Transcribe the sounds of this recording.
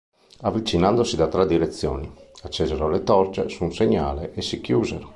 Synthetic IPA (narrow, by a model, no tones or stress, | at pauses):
avːit͡ʃinand̪osid̪at̪ɾɛd̪ːiɾet̪sːjɔ̰ːniat͡ʃːɛːzɛɾolet̪ɔɾt͡ʃesunseɲːa̰ːleʔːsikjuːzɛɾo